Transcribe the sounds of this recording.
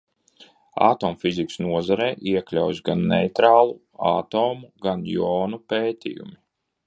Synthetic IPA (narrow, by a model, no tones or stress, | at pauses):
a̰t̪oːmfiziksnuɔzaɾɛːʔiɛklʲawjɡanːɛjt̪ɾaːlˠu | a̰ːt̪oːmuɡanjɔːnupeːt̪ḭjṵmi